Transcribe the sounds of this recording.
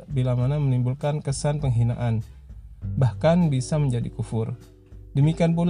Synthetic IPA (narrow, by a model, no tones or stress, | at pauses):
bilamanamənimbulkankəsanpəŋɦina̰ʔan | bahkanbisaməɲd͡ʒadḭkufʊr | dəmikianp̬ul